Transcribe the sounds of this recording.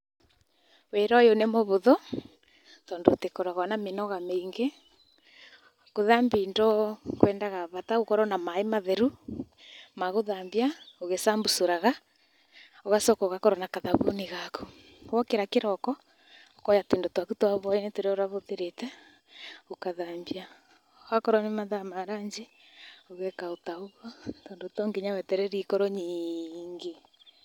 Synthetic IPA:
weɾɔjonemɔβoðɔ | tɔːndoːtekɔɾaɣanamenɔɣameŋɡe | koðambindɔkwɛːndaɣaβataokɔɾɔnamaemaðɛɾu | maɣoðambiaoɣesambusoɾaɣa | oɣasɔkɔɣakɔɾɔnakaðaβo̰neɣaku̥ | wɔkeɾakeɾɔkɔ | okɔjatendotwakutwaβɔinetoɾeoɾaβoðeɾetɛ | okaðambia | oɣakɔɾɔnemaðamaɾaɲd͡ʒe | oɣɛkaotaoɣɔtondotɔŋɡeɲawɛtɛɾɛɾikɔɾɔɲiːŋɡe

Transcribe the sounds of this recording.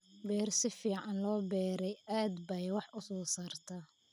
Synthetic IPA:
bɛːrsɪfiːʕɑnlɔːbɛːɾɛjaːd̪bɐjwɑħʔʊsɔːsaːrt̪ʰɐ

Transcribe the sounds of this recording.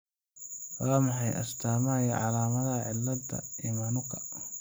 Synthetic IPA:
waːmɑħɑjʔɐ̰st̪ʰaːmajɐʕɑlaːmɐðɐhɐʕɪlːɐd̪ɐ̰iːmɐnʊkʰɐ

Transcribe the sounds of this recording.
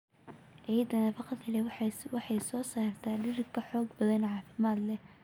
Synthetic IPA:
ʔɛjɐd̪ɐnɐːfɑqɑd̪kʰɐlɛwwɑħɑjsɔːsaːrt̪ʰaːɖɪrkʰɐħɔːɡbɐðɐnʕɑːfɪmaːd̪lɛ

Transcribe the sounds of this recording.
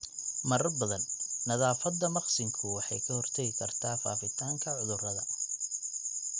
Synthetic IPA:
mɐɾɐbɐðɐnːɐðaːfɐd̪ːɐmɑqsɪŋkʰʊwɑħɑjkʰɐhɔrt̪ʰɐɣɪkʰɐrt̪ʰaːfa̰ːfɪt̪ʰaːŋkʰɐʕʊðʊrɐðɐ

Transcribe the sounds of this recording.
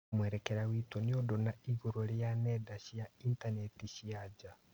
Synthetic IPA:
mwɛɾɛkɛɾawitwɔneodonaiɣuɾoɾjanɛdaɕjaintanɛtiɕiad͡ʒa

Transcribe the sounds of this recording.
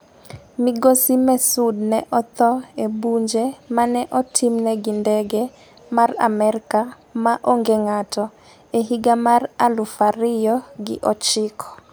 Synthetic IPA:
miɡosimɛsudnɛʔɔt̪ɔebuɲd͡ʒemanɛʔɔtʰimnɛɡindɛɡɛ | mara̰mɛɾka | maʔoŋɡeŋatɔ | eɦiɡamaralufaɾɪjɔɡɪ̰ʔɔt͡ʃɪkʰɔ̥

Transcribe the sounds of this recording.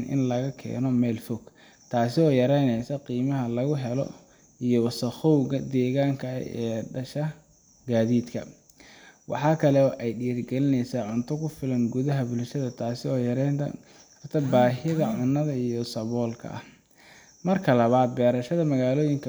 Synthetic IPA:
nʔɪ̰nlɐɣɐkʰɛ̰ːnɔmɛːlfɔɡ | t̪ʰaːsɪɔːjɐɾɛjnɛjsɐqiːmɐɦɐlɐɣʊɦɛlɔ̰ | ʔijɔwɑsɐχɔwɣɐd̪ɛːɣaːŋkʰɐ̰ɛːɖɐʃɐ | ɡaːðiːd̪kʰɐ̰ | wɑ̰ħɑːkʰɐlɛɔːʔɛjɖiːɐrɡɛlɪnɛjsaːʕʊnt̪ʰɔkʰʊfɪlɐŋɡʊðɐɦɐbʊlʃɐðɐt̪ʰaːsɪɔːjɐɾɛnt̪ʰɐ̰ | ɐrt̪ʰɐbaːɦɪðɐʕʊnːɐðɐijɔsɐβɔːlkʰɐ̰ʔɐ̰h | mɐrkʰɐlɐβaːd̪̚bɛːɾɐʃɐðɐmɐɣaːlɔːjɪŋkʰɐ

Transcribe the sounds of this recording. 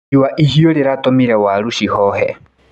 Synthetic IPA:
iwaʔiɦijɔɾiɾatʼɔmiɾɛwaɺuʃihɔhɛ̰

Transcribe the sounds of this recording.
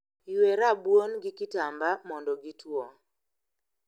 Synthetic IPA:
weɾabwonɡɪkɪtambamɔndɔɡitwɔ

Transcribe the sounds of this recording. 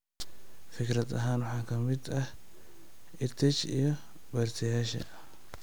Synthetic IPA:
fɪkɾɐd̪ɐɦaːnwʊħɑːkʰɐmɪd̪ɐh | ɪt̪ʰɛt͡ʃḭjɔ | bɐːrt̪ʰɛjaːʃɐ̰

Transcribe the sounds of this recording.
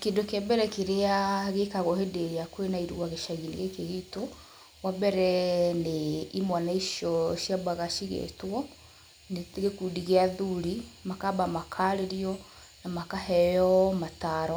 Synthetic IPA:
kendokabɛɾɛkeɾeaɣekaɣɔhedeeakwenaiɾuaɣeʃaɣinḛɣekeɣito | wabɛɾɛneimwanaiʃɔʃiabaɣaʃiɣḛtwɔ | neteɣekudiɣeaðuɾimakabamakʰaɾeɾiɔ | namakahɛjɔmataɾɔ

